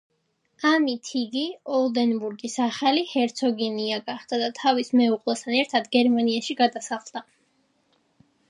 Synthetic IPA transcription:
amit̪ʰiɡiɔlˠd̪ɛnbuɾɡisaχalihɛɾt̪sʰɔɡɛniaɡaχd̪̥ad̪at̪ʰavismɛuqʼlɛst̪ʰanɛɾt̪ʰad̪ɡɛɾmaniaʃiɡad̪asaχlˠd̪̥a

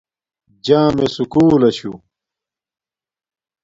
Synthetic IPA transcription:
d͡ʑãːmesukuːlɐɕu

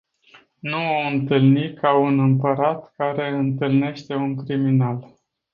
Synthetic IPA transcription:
nuoɨnt̪ɨlnikʰaunɨmpəɾat̪kaɾe̞ɨnt̪ɨlne̞ʃt̪e̞uŋkɾiminal

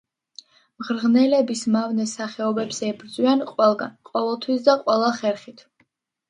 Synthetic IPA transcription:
mʁɾʁnɛlɛbismavnɛsaχɛɔbɛpsɛbɾd̪zʼwianqʼwɛlˠɡanqʼɔvɛlˠt̪ʰwis̬d̪aqʼwɛlˠaχɛɾχit̪ʰ

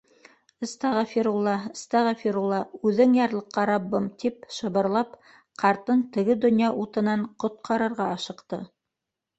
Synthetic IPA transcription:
ə̆st̪ɑʁɑfiɾulˠːɑɤ̆st̪ɑʁɑfʲiɾulˠːɑʉðɘŋjɑɾlˠɤ̆qːɑɾɑbːɤmt̪ipʃɤ̆βɤ̆ɾlˠɑp | qʰɑɾt̪ɤnt̪ɘ̆ɡɘd̪ɵ̆njɑʔut̪ɤ̆nɑɴqŏt̪̚qʰɑɾɤ̆ɾʁɑɑʃɤ̆qt̪ɤ̰

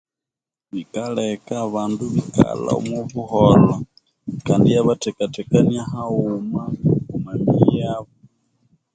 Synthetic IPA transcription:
βikalekaːβaːnduβika̰la̰o̰muβuholo | kaːndijaβatɛkatɛkaniaɦaumakumamijaβo

